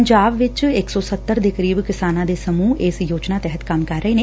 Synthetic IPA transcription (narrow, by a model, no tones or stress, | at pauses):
ɲd͡ʒaːbʋɪt͡ʃɪksɔːsət̪ːəɾd̪eːkəɾiːbkɪsaːnãːd̪eːsəmuːɪsjoːd͡ʒnaːt̪ɛɦət̪kəmkəɾːəeːneː